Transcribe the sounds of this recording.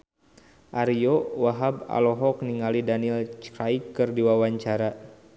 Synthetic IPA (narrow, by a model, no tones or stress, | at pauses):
ʔaɾiowaɦaba̰lɔɦɔk̚niŋalidanilt͡ʃkɾajkːɨrdiwawaɲt͡ʃaɾa